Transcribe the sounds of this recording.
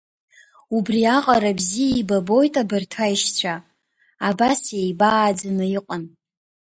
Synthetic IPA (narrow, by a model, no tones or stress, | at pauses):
ubriaqʼaɾabzijaibabo̞jtʼabɨrtʰaiʃt͡ɕʷʰa | abasjejbaːd͡zanɨiqʼən